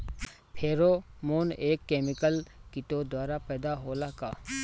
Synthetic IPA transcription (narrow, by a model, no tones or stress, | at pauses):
pʰeːɾomoːneːkːeːmɪkəlkɪʈod̪waːɾapɛːd̪aɦoːlakaː